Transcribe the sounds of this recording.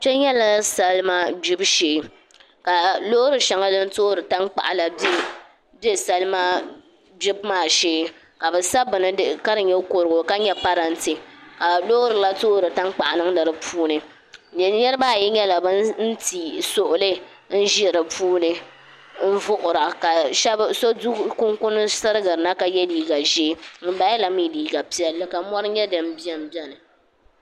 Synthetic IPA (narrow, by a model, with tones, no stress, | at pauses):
t͡ʃɛ˦ɲɛ˦la˦sa˦lma˦bi˦bʃeː˨˦ | ka˨lo˦ɾɨ˨ʃa˨ŋa˦dɨ˦n˦to˦ɾɨ˨ta˦ŋk͡pa̰˨ʔa˨la˨b | bɛ˦sa˦lma˦ | bi˦bmaː˦˨ʃeː˦ | ka˨bɛ˨sa˦bɨ˨nɨ˦dka˦ɾɨ˨ɲɛ˦ko˨ɾʊ˨ɡʊ˨ka˦ɲɛ˦pa˦ɾa˨n˦ti˨ka˨lo˦ɾɨ˨la˦toː˦ɾɨ˨ta˦ŋk͡pa˨ʔa˨nɨ˦ŋ˦dɨ˨ɾɨ˨pʰuː˦nɨ˨ | ɲɛ˦ɾɨ˦ba˦˨ji˦ɲɛ˦la˨bɨ˦nn̩˦ti˨sʊ˨ʔʊ˨lɨ˦ | n̩˦ʒi˦˨ɾɨ˨puː˦nɨ˨ | n̩˦vʊ˦ʔʊ˨ɾa˨ka˨ʃɛ˦so˦du˦kʊ˦ŋkʊ˦nɨ˦sɨ˦ɾɨ˦ɡɨ˨ɾɨ˨na˦ka˨jɛ˦liː˨ɡa˨ʒi˦m̩˦ba˦jla˨˦mi˦˨liː˨˦ɡa˨pi˦ɛ˨lːɨ˦ka˨mɔ˦ɾɨ˦ɲɛ˦dɨ˨m̩˦bi˦ɛ˦m˦bi˦ɛ˦nɨ˨